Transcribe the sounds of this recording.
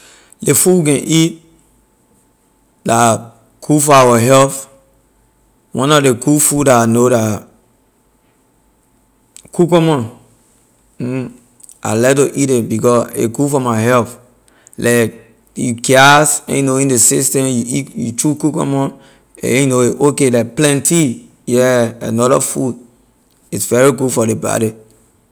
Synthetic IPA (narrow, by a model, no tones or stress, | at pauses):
lefuwk̬ɛ̃ʔit̚ | la | kʰufɔawɔɦɛlf | wʔɔ̃nɔdekufudaanoda | kʰukɔmɔ̃n | a̰lɛtoʔitebikɔsḛɡufɔmaɦɛlf | lʔak̚ | jukasɛ̰̃jnoĩndesistɛ̃mjuitjutɹukukɔ̰mɔ̃n | ḛ̃jnoeʔokelakplɛ̃nti | jɛa̰nɔdɔ̰fud | isvɛɹiɡudfɔdeba̰ɾi